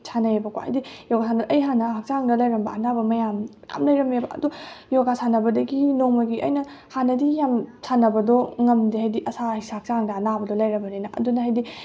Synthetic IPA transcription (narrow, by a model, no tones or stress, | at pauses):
t͡ʃʰanɐjebɐkoha̰jdijoɡasʰanɐdʔɐjɦanɐak̚t͡ʃaŋdɐlɐjɾɐmbɐɐnabɐmɐjamja̰mlɐjɾɐmebɐʔɐ̰dujoɡasʰanɐbɐdɐɡinoŋmɐɡiɐ̰jnɐ | hanɐdijamsʰanɐbɐdɔŋɐmdiɦajdiʔɐsahisaak̚t͡ʃaŋdɐːnabɐdɔlɐjɾɐmbɐninɐʔɐ̰dunɐɦɐjdi